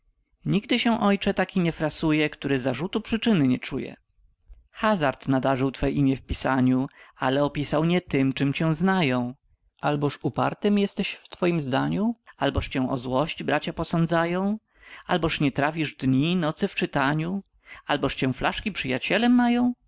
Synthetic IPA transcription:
ɲiɡd̪ɘɕɛw̃ʔɔjt͡ʂɛt̪akʲiɲɛfɾasujɛkt̪uɾɛzaʐut̪upʂɘt͡ʂɘnɘɲɛt͡ʂujɛ̰ | xazaɾt̪nad̪aʐɘwt̪fɛʔimʲjɛfpʲisaɲualɛɔpʲisawɲɛt̪ɘmt͡ʂɘmt͡ɕɛw̃znajɔ̃w̃ | ʔalbɔʂupa̰ɾt̪ɘmjɛst̪ɛɕft̪fɔjimzd̪aɲualbɔʂt͡ɕɛ̃w̃ʔɔ̰zwɔɕt͡ɕbɾat͡ɕapɔsɔnd̪zajɔ̃w̃ | albɔʂɲɛt̪ɾafʲiʐd̪ɲinɔt̪sɘft͡ʂɘt̪aɲu | albɔʂt͡ɕɛ̃flaʂkʲipʂɘjat͡ɕɛlɛmːajɔ̃w̃

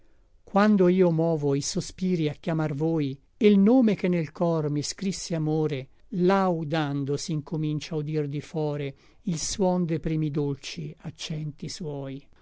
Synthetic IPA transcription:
kwand̪oiːomɔːvoisospiːɾiakːjamarvoːj | elnoːmekenːelkɔrmiskɾisːeamoːɾe | lawd̪and̪osiŋkʰomint͡ʃaud̪ird̪ifɔːɾe | ilswɔnd̪epɾiːmid̪olt͡ʃiat͡ʃːɛnt̪iswɔːj

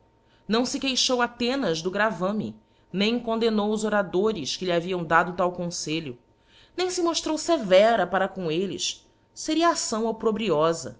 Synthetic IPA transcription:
nɐ̃w̃sɪkejʃowat̪ẽnɐzd̪ʊɡɾavɐ̃mḭ | nẽj̃kõnd̪enowʊzoɾad̪oɾɪskɪliaviɐ̃w̃d̪ad̪ʊt̪awkõseʎʊ | nẽj̃sɪmoʃt̪ɾowsevɛɾɐpaɾɐkõelɪ̰s | seɾiɐaasɐ̃w̃opɾobɾiɔzɐ̰

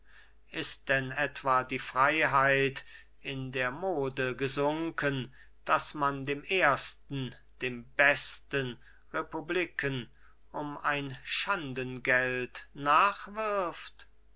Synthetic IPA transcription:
ʔɪst̚d̥ɛnɛtv̥aːdiːfʁ̥aɪɦaɪt | ɪndeːɐmoːdəɡəzʊŋkən | d̥asmandeːmeːɐstn̩ | d̥eːmbɛstən | ʁepublikʰən | ʔʊmaɪnʃandənɡɛltnaːχv̥ɪɐft

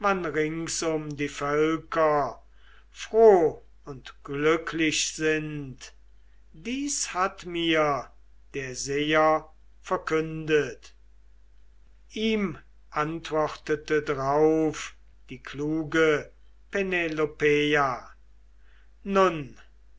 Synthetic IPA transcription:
manʁɪŋsʊmdiːfœlkʰɐ | fʁ̥oː | ʊntɡ̥lʏkʰlɪɕz̥ɪnt | d̥iːshatmiːɐ | d̥eːɐzeːɐ | fɛɐkʏndət | ʔiːm | ʔantv̥ɔχtətədaʁaʊf | d̥iːkʰluːɡə | penelopea | nʊn

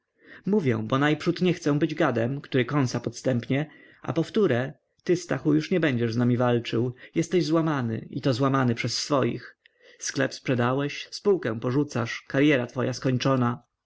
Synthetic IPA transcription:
muvʲjɛ̰̃bɔnajpʂut̪ɲɛxt̪sɛ̃bɘd͡ʑɡad̪ɛmkt̪uɾɘkɔnsapɔt̪st̪ɛmpɲɛ | a̰pɔft̪uɾɛ | t̪ɘst̪a̰xujuʂɲɛbɛɲd͡ʑɛʐznamʲivalt͡ʂɘwjɛst̪ɛʑzwamanɘ̰it̪ɔzwamanɘpʂɛsːfɔjḭx | sklɛ̰pspʂɛd̪awɛɕspuwkɛ̃pɔʐut̪saʂkaɾjɛɾat̪fɔjaskɔɲt͡ʂɔna

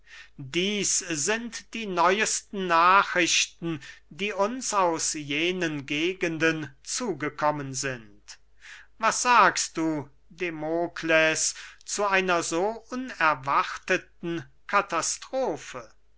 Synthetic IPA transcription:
diːszɪntd̥iːnɔʏəstn̩naːχʁ̥ɪɕtn̩diːʊnsaʊsjeːnənɡeːɡəndənt͡suːɡəkʰɔmənzɪnt | vasz̥aːkst̚d̥uː | demoːkʰlɛst͡suʔaɪnɐzoːʔʊnɛɐvaʁtətn̩ | kʰatastʁ̥oːfə

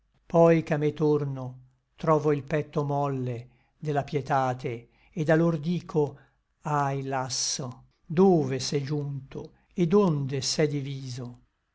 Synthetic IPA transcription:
pɔjkamːet̪orno | t̪ɾɔːvoilpɛt̪ːomɔlːe | d̪elapjɛt̪aːt̪e | ed̪alord̪iːkʰo | ajlasːo | d̪oːvesɛd͡ʒunt̪o | ed̪ond̪esɛd̪iviːzo

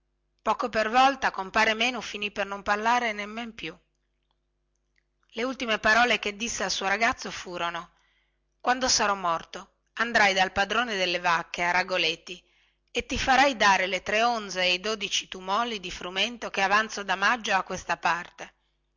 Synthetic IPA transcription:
pɔːkopervɔlt̪akompaːɾemeːnufinipːernomparlaːɾenemːempju | leult̪imepaɾɔːlek̟ed̪ːisːealsuːoɾaɡat̪sːofuːɾono | kwand̪osaɾɔmːɔrt̪o | and̪ɾajd̪alpad̪ɾoːned̪elːevakːeaɾaɡolet̪ːi | et̪ːifaɾajd̪aːɾelet̪ɾeond̪zeːjd̪oːd̪it͡ʃit̪umɔːlid̪ifɾument̪okeavant̪sod̪amad͡ʒːoakːwest̪apart̪e

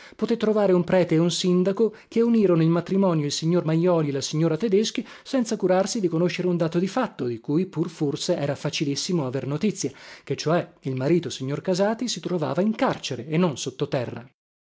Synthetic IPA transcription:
pot̪et̪ːɾovaːɾeumpɾɛːt̪eːunsind̪akokeuniːɾonoilmat̪ɾimɔːnjoilsiɲːormajːɔːlielasiɲːoːɾat̪ed̪esk̟i | sɛnt̪sakuɾarsid̪ikonoʃːeɾeund̪aːt̪od̪ifat̪ːod̪ikuːjpurforseɛːɾafat͡ʃilisːimoavernot̪it̪sːjaket͡ʃːoɛilmaɾiːt̪osiɲːorkazaːt̪isit̪ɾova̰ːvaiŋkart͡ʃeɾeːnːonsot̪ːot̪ɛrːa̰

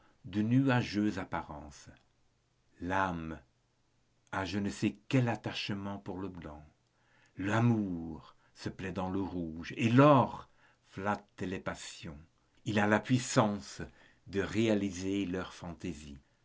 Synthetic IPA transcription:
d̪ənyaʒøzapaʁɑ̃s | lam | aʒənəsɛkɛlat̪aʃmɑ̃puʁləblɑ̃ | lamuʁ | səplɛd̪ɑ̃ləʁuʒelɔʁ | flat̪lepasjɔ̃ | ilalapɥisɑ̃s | d̪əʁealizelœʁfɑ̃t̪ezḭ

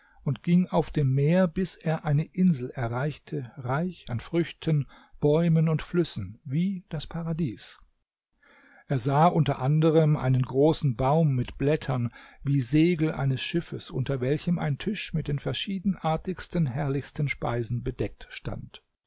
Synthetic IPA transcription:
ʔʊntɡ̥ɪŋaʊfd̥eːmːeːɐbɪsʔeːɐʔaɪnəʔɪnzl̩ʔɛɐʁaɪçtʰəʁaɪçanfʁ̥ʏçtʰən | b̥ɔʏmənʊntflʏsn̩viːd̥aspʰaʁadiːs | ʔeːɐzaːʔʊntɐ̰ʔandəʁ̞əmʔa̰ɪnənɡʁoːsn̩baʊmːɪtb̥lɛtʰɐnviːzeːɡl̩ʔa̰ɪnəsʃɪfəsʔʊ̰ntɐvɛlçəmʔa̰ɪntʰʏʃmɪt̚d̥eːnfɛɐʃiːdn̩ʔaːɐtɪçstənɦɛɐlɪçstənʃpa̰ɪzn̩bədɛk̚tʃta̰nt

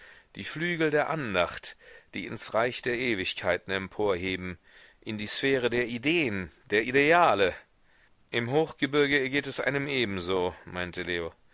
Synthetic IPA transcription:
d̥iːflyːɡl̩deːɐʔandaχtd̥iːɪnsʁaɪçd̥eːɐʔeːvɪçkʰaɪtn̩ɛmpʰoːɐɦeːbm̩ | ʔɪndiːsfɛːʁ̞ədeːɐʔideːənd̥eːɐʔideaːlə | ʔɪmɦoːxɡ̥əbɪɐɡəɐɡeːtɛsʔa̰ɪnəmʔeːbm̩zoːmaɪntəleːo

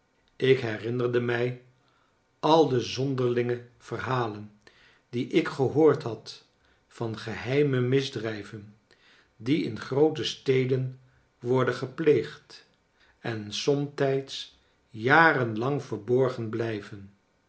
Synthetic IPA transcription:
ɪkɦɛrɪnərdəmɛj | ɑlˠdəzɔndəɹlɪŋəv̥ərɦaːlən | diʔɪkχəɦoːɹtɦɑt | fɑnχəɦɛjməmɪzdrɛjvən | diɪ̰nχrowtəstejdən | ʋɔɹdəχəplejχt | ɛnsɔmtɛjts | jaːrənlɑŋvəɹbɔɹχənblɛjvən

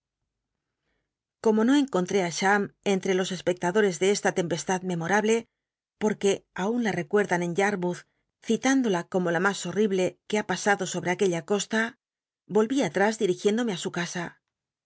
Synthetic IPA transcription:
ko̞mo̞no̞e̞ŋko̞nt̪ɾe̞aʃame̞nt̪ɾe̞lo̞se̞spe̞k̚t̪aðo̞ɾe̞zðe̞est̪at̪e̞mpe̞st̪aðme̞mo̞ɾaβle̞ | po̞ɾke̞aunlare̞kwe̞ɾðane̞ɲʎaɾmuθ | θit̪and̪o̞lako̞mo̞lamaso̞riβle̞keapasaðo̞so̞βɾe̞ake̞ʎako̞st̪a | bo̞lβiat̪ɾazðiɾixje̞nd̪ome̞asukasa

